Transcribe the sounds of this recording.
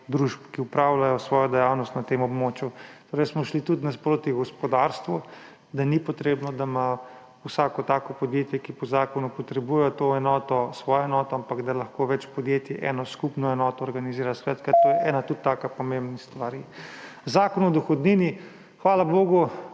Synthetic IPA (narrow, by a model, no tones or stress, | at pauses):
d̪ɾuʒpkiupɾawlajɔsʋɔːjɔd̪ɛjawnɔst̪nat̪emɔbmoːt͡ʃjutt̪oːɾɛɪsmɔʃlit̪ut̪naspɾoːt̪iɡɔspɔd̪aɾst̪ʋu | d̪anipɔt̪ɾeːbnɔd̪ama | wsaːkɔt̪aːkɔpɔd̪jeːt̪jɛkipɔzaːkɔnupɔt̪ɾɛbujɛjɔt̪oɛnɔːt̪ɔsʋɔːjɔɛnɔːt̪ɔampaɡd̪alɐxkoʋɛt͡ʃpɔd̪jet̪jɛʔɛnɔskupnɔɛnɔːt̪ɔːɾɡaniziːɾasʋɛt̪kaɾt̪oːjɛʔɛːnat̪ut̪ːaːkapɔmembnist̪ʋaɾizakɔnɔd̪ɔxɔd̪niːni | xʋaːlaboːɡu